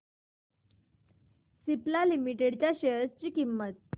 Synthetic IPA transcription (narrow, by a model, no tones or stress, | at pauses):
siplalimiʈeɽt͡ɕjaɕejəst͡ɕiːkimːət̪̚